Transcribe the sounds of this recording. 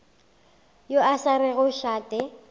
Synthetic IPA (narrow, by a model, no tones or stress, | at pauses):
joasaɾɪɣʊʃaːtʼɛ